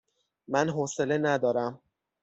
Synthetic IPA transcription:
mænɦɔːselenæd̪ɒːɾæm

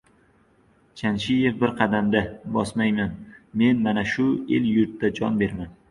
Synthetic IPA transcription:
t͡ʃʰanʃɪje̞fbɪɾqʰɑd̪amd̪abɒsmajmanme̞nmanaʃʊeljʊɾt̪ːad͡ʒɒ̰nbe̞ɾman

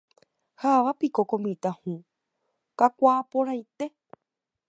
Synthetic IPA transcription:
haʋapikokõmĩt̪ahũ | kakʷaːpõɾajt̪e̞

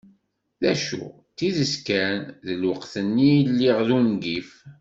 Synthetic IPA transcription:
ðæʃṵ | t͡sːiðəskænðəlwəqθənːijəlːiʁðunɡif

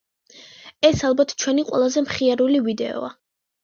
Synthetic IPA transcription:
ɛsalˠbat̪ʰt͡ʃʰwɛniqʼwɛ̰lˠazɛmχiaɾulivid̪ɛɔ̰a

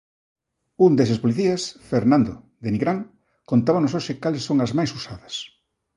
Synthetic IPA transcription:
und̪esɐspoliθiɐsfeɾnãnd̪o | d̪eniɣɾaŋ | kont̪aβɐnos̬oʃɪkalesːoŋɐzmajsusaðɐs

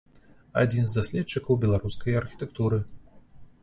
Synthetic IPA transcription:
a̰d͡zʲinzd̪asʲlʲɛt̪t͡ʂːɨkɐwbʲɛlˠaɾuskɐjarxʲi̥t̪ɛkt̪uɾɨ

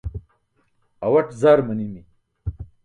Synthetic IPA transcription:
ɐwɐʈzaːɾmɐnimi

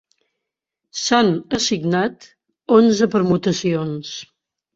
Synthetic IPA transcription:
sanəsiɡnat̪ | onzəpəɾmut̪əsions

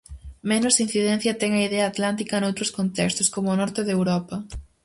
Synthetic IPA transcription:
menʊsin̟θiðɛn̟θjɐt̪ɛŋɐiðɛɐːt̪lant̪ikɐnowt̪ɾoskont̪ɛkst̪ʊskomonɔɾt̪eðewɾɔpɐ

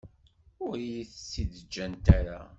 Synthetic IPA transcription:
ʊɾijiθəsːiðəd͡ʒːænt̪aɾa̰

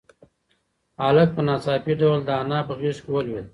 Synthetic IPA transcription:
alək̚pənɑːt͡sɑpiɖawld̪əanɑːpəɣiskewəlwil

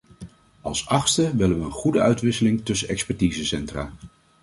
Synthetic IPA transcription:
ɑ̰lˠsɑχstəʋɪləʋəənχudəœɥtʋɪsəlɪŋtɵsəɛkspɛɹtiːzəsɛntra̰ː

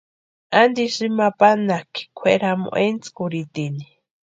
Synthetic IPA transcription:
and̪iʂimapanakʰi̥kʰʷweɾamo̰ʔent͡skuɾit̪ini

